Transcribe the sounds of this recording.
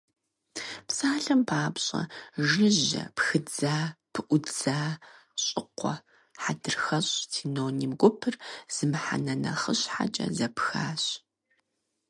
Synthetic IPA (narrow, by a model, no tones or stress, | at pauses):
psaːɬɨmpʰaːpɕʼɐʒɪʑɐ̰pxɨd͡zaːpʰɨʔʷʊd͡zaː | ɕʼɪqʷɔ | ħadɨrxɐɕʼsʰiːnoːnimɡʷʊpʰɨrz̥ɨmħa̰nɐnɐ̰χəɕħa̰t͡ʃʼɐ̰zɐpxaːɕ